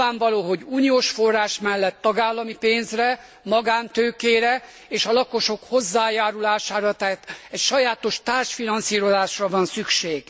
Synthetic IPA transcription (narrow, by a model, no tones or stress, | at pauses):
aːɱvɒloːɦo̞ɟuːnioːʃfo̞rːaːʃmɛlːɛt̪ːɒɡaːlːɒmipeːnzrɛ | mɒɡaːnt̪øːkeːɾɛ | eːʃɒlɒko̞ʃo̞kho̞zːaːjaːɾulaːʃaːɾɒt̪ɛt̪ɛcʃɒjaːt̪o̞ʃt̪aːrʃfinɒnsiːɾo̞zaːʃrɒvɒnsykʃeːɡ̥